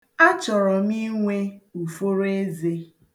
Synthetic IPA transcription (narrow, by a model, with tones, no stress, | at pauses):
a˦t͡ʃɔ˨ɾɔ˨mi˦ŋʷe˦u˨fo˦ɾe˦ze˦